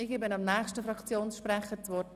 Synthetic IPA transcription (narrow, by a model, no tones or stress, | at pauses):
ɪɡɪbɪnɑmnæːχʃtəfɾɑkt͡sjoːnsʃpɾɛχətʋɔ